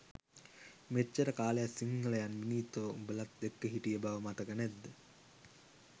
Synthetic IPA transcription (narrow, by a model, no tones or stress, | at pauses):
met͡ʃːəɾəkaːlejasiŋːələjanʋiniːt̪oːubəlat̪̚d̪ekːəɦiʈijəbaʋəmat̪əkənɛd̪ːə